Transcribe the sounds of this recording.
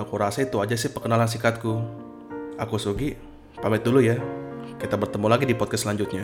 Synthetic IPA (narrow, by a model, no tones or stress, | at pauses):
akuɾasait̪uad͡ʒas̬ɪhpəkənalans̬ikat̪̚ku | akusuɡi | pamɛt̪̚dulujakit̪abərt̪əmulaɡidipɔd̪̚kaslaɲd͡ʒʊt̪̚ɲa